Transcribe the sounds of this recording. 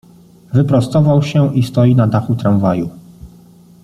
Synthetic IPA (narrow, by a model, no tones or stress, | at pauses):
vɘpɾɔst̪ɔvawɕɛʔist̪ɔjinad̪axut̪ɾawvaju